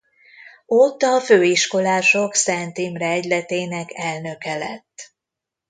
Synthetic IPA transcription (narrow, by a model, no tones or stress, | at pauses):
ot̪ːɒføːiʃko̞laːʃo̞ksɛnt̪iːmrɛɛɟlɛt̪eːnɛkɛlnø̞kɛlɛ̰t̪ː